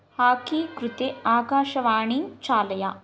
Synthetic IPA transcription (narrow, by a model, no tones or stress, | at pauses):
haːkikɾʊt̪eaːɡaːʃɐʋaːɳiŋt͡ʃaːlɐjaː